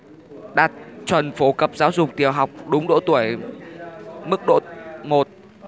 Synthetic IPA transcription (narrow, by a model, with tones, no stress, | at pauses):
ɗaː˨˩t̚t͡ɕwə˨˩nfo˨˩˦kə˨˩p̚zaː˨˦wzʊ˨˩k͡p̚t̪i˨˩əwɦa˨˩wk͡p̚ɗʊ˨˦ŋ͡mɗo̰˧˨t̪u˧˩əj | mɨ˦˥k̚ɗo̰˧˨mo˨˩t̚